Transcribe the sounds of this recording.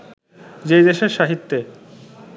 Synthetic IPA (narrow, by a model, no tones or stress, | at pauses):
d͡ʑejd̪eʃeɾʃaɦit̪ːe